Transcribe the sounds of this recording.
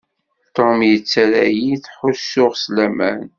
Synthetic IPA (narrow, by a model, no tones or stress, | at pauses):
t̪omjət͡sːæɾæjiθħʊsːʊʁslæmæn